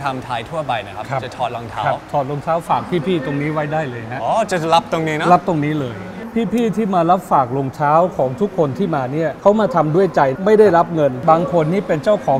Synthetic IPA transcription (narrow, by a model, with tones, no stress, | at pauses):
t̪ʰa˧mt̪ʰaː˧jt̪ʰu˥˩pa˧jna˦˥kʰa˦˥kʰa˦˥t͡ɕa˨˩t̪ʰɔː˨˩t̪̚lo˧ŋt̪ʰaː˦a˦˥wp̚t̪ʰɔː˨˩t̪̚lo˧ŋt͡ɕʰaː˦˥wfaː˨˩k̚pʰiː˥˩pʰiː˥˩t̪o˧ŋniː˦˥wa˦˥jdaː˥˩jlɤː˧jɦa˦˥ʔɔː˧t͡ɕa˨˩la˦˥p̚t̪o˧ŋniː˦˥na˦˥la˦˥p̚t̪o˧ŋniː˦˥lɤː˧j | pʰiː˥˩pʰiː˥˩t̪ʰiː˥˩maː˧la˦˥p̚faː˨˩k̚lo˧ŋt͡ɕʰaː˦˥wkʰɔː˩˦ŋt̪ʰu˦˥kʰːo˧nt̪ʰiː˥˩maː˧ni˥˩ɐkʰa˦˥wmaː˧t̪ʰa˧mdu˥˩əjt͡ɕa˧jma˥˩jda˥˩jɾa˦˥p̚ŋɤ˧nbaː˧ŋkʰo˧nːiː˥˩pe˧nt͡ɕa˥˩wkʰɔː˩˦ŋ